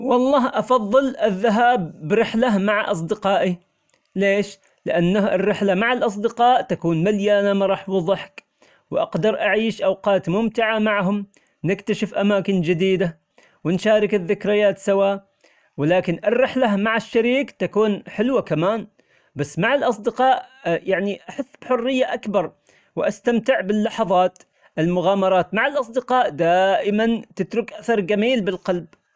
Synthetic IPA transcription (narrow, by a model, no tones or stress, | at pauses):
wɑlˤːɑːɦʔɑfɑðˤːɨlʔɪðːaɦaːbːɾɪħlamaʕaʔɑs̬ˤd̪ɪqɑːʔi | leːʃ | lɪʔanːaɪ̰rːɪħlamaʕalʔɑs̬ˤd̪ɪqɑːʔt̪akuːnmaljaːnamaɾˤɑːħwɑðˤɑħk | wʔɑ̰qd̪ɑɾˤʔaʕiːʃʔɑwqɑːt̪mʊmt̪ɪʕamaʕɦʊm | nɪkt̪aʃɪfʔamaːkɪnd͡ʒɪd̪iːd̪a | wɪnʃaːɾɪkɪðːɪkɾɪjaːt̪sawaːʔ | wɪlaːkɪnʔɪrːɪħlamaʕaʃːaɾiːkt̪akuːnħɪlwakamaːn | basːmaʕalʔɑsˤd̪ɪqɑːʔjaʕniʔaħaθːbħʊrːɪjːaʔakbɑɾˤ | wɪʔast̪amt̪ɪʕbɪlːɑħɑðˤɑːt̪ | ʔɪlmʊɣaːmɑɾˤɑːt̪maʕalʔɑs̬ˤd̪ɪqɑːʔd̪aːʔɪmant̪ɪt̪ɾʊkʔaθɑɾˤɡamiːlbɪlqɑlb